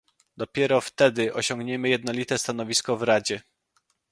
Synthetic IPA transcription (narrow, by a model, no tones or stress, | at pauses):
d̪ɔpʲjɛɾɔft̪ɛd̪ɘʔɔɕɔŋɡɲɛmɘjɛd̪nɔlʲit̪ɛst̪anɔvʲiskɔvɾad͡ʑɛ